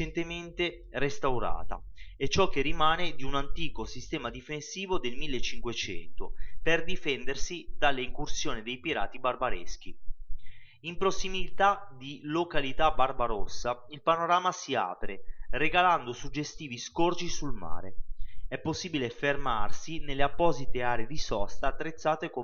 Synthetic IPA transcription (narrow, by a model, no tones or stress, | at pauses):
ent̪ement̪e | rest̪awɾa̰ːt̪a̰ɛt͡ʃːɔk̟ːerimaːned̪iunant̪iːkosist̪ɛːmad̪ifensiːvod̪elmilːet͡ʃːiŋkwet͡ʃɛ̰nt̪operd̪ifɛnd̪ersid̪alːeiŋkursjoːnid̪ejpiɾa̰ːt̪ibarbaɾɛ̰sk̟i | impɾosːimilit̪ad̪ilokalit̪abarbaɾosːa | ilpanoɾaːmasia̰ːpɾereɡaland̪osud͡ʒːest̪iːviskord͡ʒisulma̰ːɾḛɛpːosːiːbilefermarsinelːeapːɔːzit̪eaːɾeed̪isɔst̪aːt̪ːɾet̪sːaːt̪eko